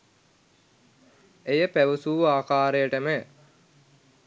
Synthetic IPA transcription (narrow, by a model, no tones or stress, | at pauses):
ejəpæʋusuːaːkaːɾejəʈəme